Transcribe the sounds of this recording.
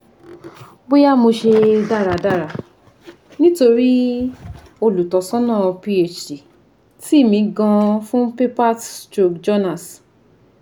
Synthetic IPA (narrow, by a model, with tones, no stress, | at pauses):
bo˦ja˦mo˧ʃe˧da˦˨ɾa˨da˦˨ɾa˨ | nĩ˦to˧ɾi˦ | o˧lu˨tɔ˨sɔ̃˦nãː˦˨˧pi˧e˨t͡ʃi˨ | ti˦˨mĩ˧ɡã˧fũ˦pe˦pa˦ttɾo˨kd͡ʒɔ˦nã˦˨s